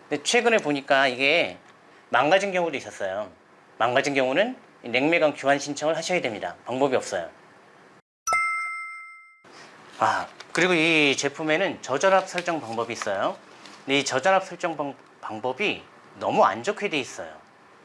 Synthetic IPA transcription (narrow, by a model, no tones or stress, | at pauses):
net͡ɕʰwe̞ɡɯneɭpoɲik͈aiɡe̞ | maŋɡad͡ʑinkjʌŋudois͈ʌs͈ʌjo | maŋɡad͡ʑinkjʌŋunɯn | ine̞ŋme̞ɡwaŋkjuɦanɕʰint͡ɕʰʌŋɯɭhaɕʰʌjedwe̞mɲida̰paŋbʌbiʌp̚s͈ʌjo̰ | akɯɾiɡoit͡ɕe̞pʰume̞nɯnt͡ɕʌd͡ʑʌnɦap̚s͈ʰʌɭt͡ɕ͈ʌŋpaŋbʌbiːs͈ʌjo | ndeit͡ɕʌd͡ʑʌnɦap̚sʰʌɭt͡ɕ͈ʌŋ | paŋbʌbi | nʌmua̰nd͡ʑokʰede̞is͈ʌ̰jo̰